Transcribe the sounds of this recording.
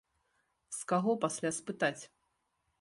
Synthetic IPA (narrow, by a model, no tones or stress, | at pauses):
skaɣɔpasʲlʲaspɨt̪at͡sʲ